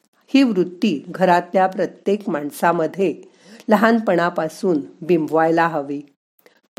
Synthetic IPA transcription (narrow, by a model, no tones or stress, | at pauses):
hiːʋɾut̪ːiːɡʱəɾat̪ljapɾət̪jekmaɳsaməd̪ʱːje | ləɦanpəɳ̃apasuːnbimbʱʋajlaɦəʋiː